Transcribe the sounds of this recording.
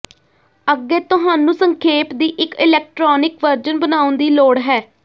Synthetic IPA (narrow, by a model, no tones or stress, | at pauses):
əɡːeːt̪ʊɦaːnũːsəŋkʰeːpd̪iːʔɪkɪlɛːk̚ʈɾɔːnɪkʋəɾd͡ʒənbənaːʊnd̪iːloːɽɦɛː